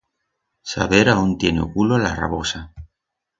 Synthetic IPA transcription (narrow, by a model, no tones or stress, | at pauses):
sa̰βeɾaunt̪jeneo̰kulola̰ra̰βosa